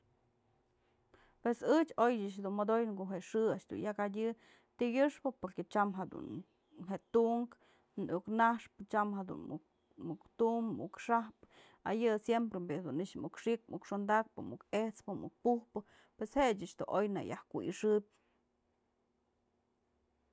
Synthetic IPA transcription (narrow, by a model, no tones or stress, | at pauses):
pwesɨt͡ʃojɨt͡ʃhd̪unmod̪ojkoʔɦeʔʂɨaʔʃd̪ṵnjakadʲɨ | t̪iɡʲɨʂpɨpoɾket͡ʃamɦed̪ṵn | ɦeʔt̪uʔŋk | nuknahʂpɨt͡ʃamɦed̪ṵn̰ | mukt̪uʔmmṵkʂahpɨ̥ | a̰jɨsjempɾembed̪uniʔt͡ʃmukʂik̚mukʂond̪ak̚pɨmukeht͡spɨmṵk̚puhpɨ | pwesheʔt͡ʃɨt͡ʃd̪ṵʔojna̰jahkuʔḭʂɨbʲ